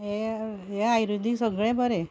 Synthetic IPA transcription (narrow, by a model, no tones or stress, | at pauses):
ɦeɦeajɾud̪ʱisəɡɭẽbəɾe